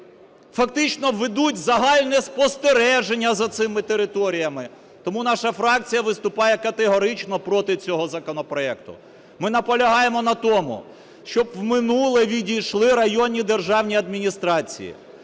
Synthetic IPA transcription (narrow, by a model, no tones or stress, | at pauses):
fɐkt̪ɪt͡ʃnɔʋed̪utʲzɐɦɑlʲnɛspɔst̪eɾɛʒenʲːɐzɐt̪sɪmɪt̪eɾɪt̪ɔɾʲijɐmɪ | t̪ɔmunɑʃɐfɾɑk̚t͡sʲijɐʋɪst̪ʊpɑjɛkɐt̪eɦɔɾɪt͡ʃnɔpɾɔt̪ɪt͡sʲɔɦɔzɐkɔnɔpɾɔɛkt̪ʊ̰ | mɪnɐpɔlʲɐɦɑjemɔnɐt̪ɔmʊ̰ | ʃt͡ʃɔbwmɪnulˠɛʋʲidʲijʃlˠɪɾɐjɔnʲid̪e̞rʒɑwnʲiɐd̪mʲinʲist̪ɾɑt͡sʲḭjḭ